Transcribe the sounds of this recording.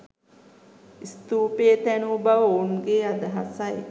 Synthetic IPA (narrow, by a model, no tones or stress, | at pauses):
ist̪uːpeːt̪ænuːbaʋəonɡeːad̪əɦa̰saj